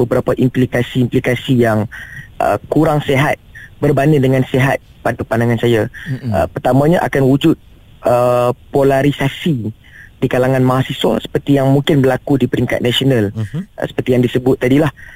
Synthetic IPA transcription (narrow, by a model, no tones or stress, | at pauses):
bəbəɾapaʔimplikasiːmplikasijaŋʔə̰kuɾaŋseɦat̪̚bərbanidəŋãnseɦat̪̚panpandaŋansajaə̰pərt̪amãɲaʔa̰kanwud͡ʒʊt̪̚ | əpolaɾisasi | dikalaŋãnmãɦasiswa̰sə̥pərt̪ijaŋmuŋkɪnbəlakudipəɾiŋka̰t̪̚nasionãlʔə̰sə̥pərt̪ijaŋdisəbʊt̪̚ːadilah